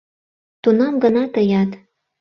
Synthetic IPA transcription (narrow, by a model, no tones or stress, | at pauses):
t̪unɑmɡənɑt̪əjɑt̪